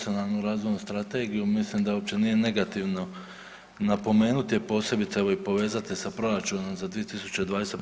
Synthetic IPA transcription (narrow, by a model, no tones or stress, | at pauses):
io̞nalˠnuɾaːzʋojnust̪ɾat̪e̞ːɡijumislimd̪aopt͡ɕe̞nije̞ne̞ɡat̪iʋno̞ | napo̞me̞ːnut̪ijepo̞ːse̞bit̪saeʋo̞ipo̞ʋe̞ːzat̪isapɾo̞ɾat͡ʃuːno̞mzad̪ʋije̞t̪isu̥t͡ɕe̞d̪ʋaːd̪e̞se